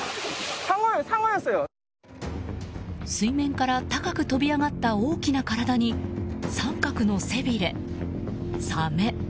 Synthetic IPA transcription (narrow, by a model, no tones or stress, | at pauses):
saŋoɯsaŋojɯsɨjo | sɨimẽ̞ŋkaɾat̪akakɯ̟t̪o̞bʲiaɡat̪ːao̞ːkʲinakaɾad̪aɲ̟isãŋkakɯ̟no̞se̞bʲiɾe̞ | same̞